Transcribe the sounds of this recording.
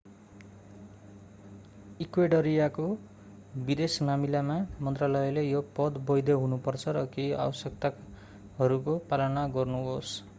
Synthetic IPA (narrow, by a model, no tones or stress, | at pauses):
ikweɖʌɾijako | bid̪esmamilamamʌnt̪ralʌjlejopʌd̪bʌjd̪ʌɦunupʌrt͡sʰʌɾʌkia̰wʌsjek̚t̪a | ɦʌɾukopalʌnaɡʌrnuɦos